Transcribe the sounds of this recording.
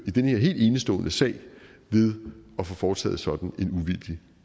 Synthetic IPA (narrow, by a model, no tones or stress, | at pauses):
id̥enəhe̝ɐɦe̝̰ːld̥e̝ːnəsd̥ɔ̰̽ːnəsɛ̰ɪ̰ʋe̝ð̞ˠɒ̽fɔfɒːt͡sʰɛ̰ːð̞̩ˠsɒ̽d̥n̩e̝nuʋild̥i